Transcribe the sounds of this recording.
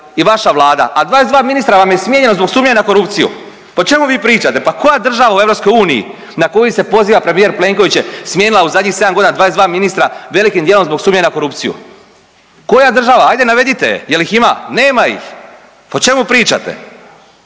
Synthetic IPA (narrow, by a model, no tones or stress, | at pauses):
iʋaʃaʋlˠaːd̪a̰ʔad̪ʋaːezd̪ʋaːminist̪ɾaʋamjesmʲjeɲe̞no̞zbo̞ɡsuːmɲeɲako̞ɾupt̪sijṵ | po̞t͡ʃe̞muʋiːpɾiːt͡ʃat̪e̞pako̞jad̪r̩ʒaʋaue̞vɾo̞psko̞juːnijḭ | nako̞jise̞po̞ziːʋapɾemije̞ɾple̞ŋko̞ʋit͡ɕjesmʲjeːnilauzad̪ɲixse̞d̪amɡo̞d̪inad̪aːezd̪ʋaːminist̪ɾaʋe̞likimd̪jelomzboɡsuːmɲeɲako̞ɾupt̪sijṵ | ko̞jad̪r̩ʒaʋaajd̪enaʋe̞d̪it̪e̞̰jelixima̰ne̞ːmaḭx | po̞t͡ʃe̞mupɾiːt͡ʃa̰t̪e̞̰